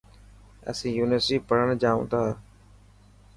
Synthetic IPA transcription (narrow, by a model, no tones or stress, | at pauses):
ə̰sĩːjuːnɪəɾsʈiːpəɽ̤əɳd͡ʒaːṵ̃ːt̪ʰaː